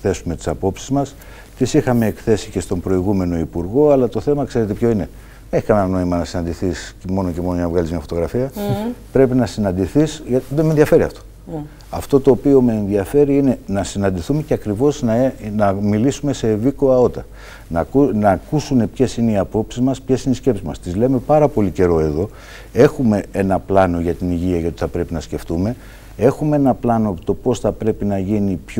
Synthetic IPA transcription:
θe̞sume̞t̪i̥sɐpo̞psizmɐs | t̪isixɐme̞ːkθe̞sice̞st̪o̞mbɾo̞iɣume̞no̞ipuɾɣo̞ɐlɐt̪o̞θe̞mɐkse̞ɾe̞t̪e̞pço̞ine̞ | eçikɐnenno̞imɐnɐsinɐnd̪iθismo̞no̞cemo̞noɲɐvɣɐlizmɲɐfo̞t̪oɣɾɐfiɐpɾe̞pinɐsinɐnd̪iθisʝɐðemenðiɐfe̞ɾiɐ̰ft̪o̞̥ | ɐ̰ft̪o̞t̪o̞ːpio̞meːnðiɐfe̞ɾiine̞nɐsinɐnd̪iθume̞ceɐkɾivo̞znɐnɐmilisume̞seːviko̞ɐo̞t̪ɐ | nɐnɐːkusune̞pçe̞sine̞iɐpo̞psizmɐspçe̞sineisce̞psizmɐ̰st̪izle̞me̞pɐɾɐpo̞lice̞ɾo̞e̞ðo̞ | e̞xume̞e̞nɐplɐno̞ʝɐt̪iniʝiɐjɐot̪iθɐpɾe̞pinɐsce̞ft̪ume̞ | e̞xumeenɐplɐno̞t̪o̞po̞sθɐpɾe̞pinɐʝinipç

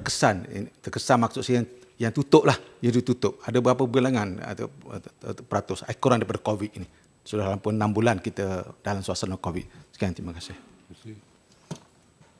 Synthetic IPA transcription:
t̪əkəsan̰t̪əkəsanmak̚sʊʔsaaŋ | jaŋt̪ut̪ʊʔ̚lahjat̪ut̪ut̪ʊp̚adabəapəbilaŋana̰t̪ | pəɾat̪ʊsa̰ikuɾandaɾipadakowit̪̚ini | sudalampʊnambulankit̪ədalamsuasanɔkowɪ̰t̪̚sə̥kiaŋt̪imakasɪh

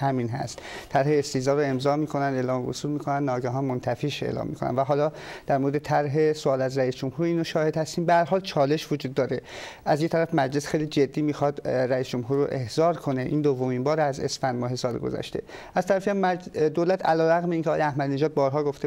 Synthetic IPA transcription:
hæminɦæ̰st̪ʰːæɾheːst̪iːzɒːɾoe̞mzɒːmiːkʰo̞nænd̪elɒːmvo̰suːlmiːkʰonænd̪nɒːɡæɦɒːnmont̪ʰæfiːʃḛlɒ̰ːmːḭkʰo̞næ̰nd̪væɦɒːlɒːd̪̥æɾmoɾed̪et̪ʰæɾɦesoɒːlæzɾæisd͡ʒo̞mhuːɾiːnoʃɒːhe̞d̪hæst̪iːmbehæɾɦɒːlt͡ʃʰɒːle̞ʃvod͡ʒuːd̪ːɒːɾeʔæzjet̪ʰæɾæfmæd͡ʒle̞sxe̞jlid͡ʒe̞d̪ːiːmiːxɒd̪ɾæiːsd͡ʒomɦuːɾːo̰ʔe̞hz̥ɒːɾkʰo̞neʔiːnd̪ovːomimbɒːɾæzḛsfænd̪mɒːɦe̞sɒːlḛɡo̰zæ̰ʃt̪e̞̰ | æz̥t̪ʰæɾæfiæmːæd̪olæt̪ʰælɒːɾæɣmeiːŋkʰʲeɒːjeæhmæd̪ine̞ʒɒːd̪̚bɒːɾɦɒːɡo̞ft̪e

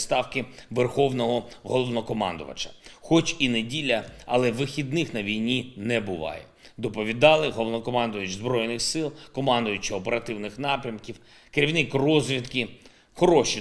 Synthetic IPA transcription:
st̪ɑwkɪʋerxɔwnɔɦɔɦɔlˠɔʋnɔkɔmɑ̰nd̪ʊ̰ʋɐ̰t͡ʃɐ̥xɔt͡ʃinedʲilʲɐɐlˠɛʋɪxʲid̪nɪxnɐʋʲijnʲinɛbʊʋɑ̰jɛ̰d̪ɔpɔʋʲid̪ɑlˠɪɦɔlˠɔʋnɔkɔmɑnd̪ʊjʊt͡ʃzbɾɔjnɪxsɪlˠkɔmɑnd̪ʊjʊt͡ʃɪɔpeɾɐt̪ɪwnɪxnɑpɾʲɐmkʲiw | keɾʲiʋwnɪkrɔzʲʋʲit̪kɪ | xɔɾɔʃi

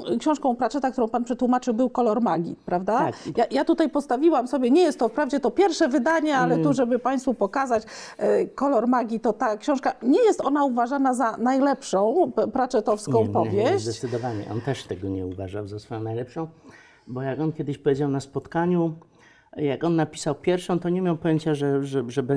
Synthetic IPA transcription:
kɕɔ̃w̃ʂkɔ̃w̃pɾat͡ʂɛt̪ak̚t̪uɾɔ̃w̃panpʂɛt̪wumat͡ʂɘwbɘwkɔlɔɾmaɡʲḭt̪pɾavd̪ajajat̪ut̪ajpɔst̪avʲiwamsɔbʲjɛɲɛjɛst̪ːɔfpɾavd͡ʑɛt̪ɔpʲjɛɾfʂɛvɘd̪aɲɛalɛt̪uʐɛbɘpaj̃st̪fupɔkazat͡ɕkɔlɔɾmaɡʲit̪ɔt̪akɕɔ̃w̃ʂkaɲɛjɛst̪ɔnauvaʐanazanajlɛpʂɔ̃w̃pɾat͡ʂɛt̪ɔfskɔ̃w̃pɔvʲjɛɕzd̪ɛt͡ɕ̪sɘd̪ɔvaɲɛ̰ʔɔ̰nt̪ɛʂt̪ɛɡɔɲɛuvaʐawzasfɔjɔ̃w̃najlɛpʂɔ̃w̃ | bɔjakɔnkʲɛd̪ɘɕpɔvʲjed͡ʑawnaspɔt̪kaɲu | jakɔnːapʲi̥sawpʲjɛɾfʂɔ̃w̃t̪ɔɲɛmʲjawpɔjɛɲt͡ɕaʐɛʐɛbɛ

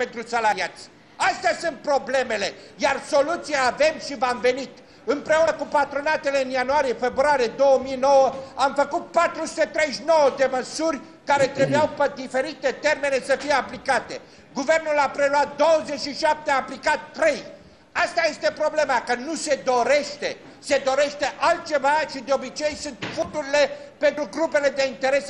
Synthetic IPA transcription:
pe̞nt̪ɾusalaɾiat̪sʲ | ast̪easunt̪̚pɾo̞ble̞me̞le̞jarso̞lut̪siaːve̞mʃivamve̞nit̪ | ɨmpɾe̞unəkupat̪ɾonat̪e̞le̞ɨnjanuaɾijefe̞bɾaɾije̞d̪o̞wəmijno̞wəamfəkut̪̚pat̪ɾusu̥t̪et̪ɾe̞jʃno̞wəd̪e̞məsurʲ | kaɾe̞t̪ɾe̞bujawped̪ife̞ɾit̪e̞t̪e̞rme̞ne̞səfijeaplikat̪e̞ | ɡuve̞rnulapɾe̞luat̪̚d̪o̞wəze̞t͡ʃʃiʃap̚t̪eaplikat̪t̪ːɾe̞j | ast̪aje̞st̪e̞pɾo̞ble̞makənuse̞d̪o̞ɾe̞ʃt̪e̞ | se̞d̪o̞ɾe̞ʃt̪e̞ʔalt̪̚t͡ʃe̞vaʃid̪eo̞bit͡ʃe̞jsunt̪fut̪uɾile̞pe̞nt̪ɾuɡɾupe̞le̞d̪e̞int̪e̞ɾe̞s

